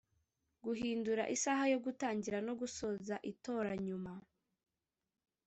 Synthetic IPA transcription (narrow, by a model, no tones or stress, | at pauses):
ɡuɦiːnduɾa̰ʔisaɦajo̞ɡutaːɲɟiɾano̞ɡusozaʔito̞ːɾaɲuma